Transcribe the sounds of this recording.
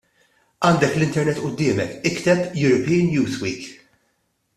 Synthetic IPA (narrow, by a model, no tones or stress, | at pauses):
ʔɐːnd̪ɛklɪnt̪ɛɾnɛt̪ːʔʊd̪ːɪːmɛ̰kɪkt̪ɛpjʊɾɔpiːnjuːzwiːk